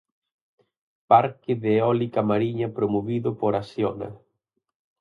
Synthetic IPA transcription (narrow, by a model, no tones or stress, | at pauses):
paɾkɪðɪːɔlikɐmaɾiɲɐpɾomoβiðʊpoɾasjɔnɐ̰